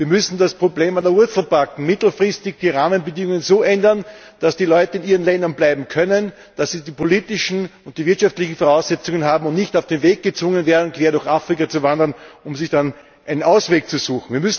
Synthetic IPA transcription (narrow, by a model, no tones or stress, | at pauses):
viːɐmʏsn̩daspʁ̥obleːmandɐʊɐt͡sl̩ˠbakŋ̩mɪtl̩fʁ̥ɪstɪçd̥iːʁaːmənbədɪŋʊŋənzoːʔɛndɐn | d̥asd̥iːlɔʏtəɪniːʁənlɛndɐnblaɪbm̩kʰœnən | d̥asːiːdiːpʰoliːtɪʃn̩ʊnt̚d̥iːvɪɐtʃaftlɪçn̩fɔʁaʊsɛt͡sʊŋənɦaːbm̩ʊntnɪçtaʊfd̥eːnveːɡ̚ɡ̥ət͡sv̥ʊŋənveːɐdn̩kv̥eːɐdʊɐçafʁ̥ɪkat͡suvandɐnʊmzɪçd̥an | ʔaɪnənʔaʊsveːk̚t͡suzuːxn̩viːɐmʏsn̩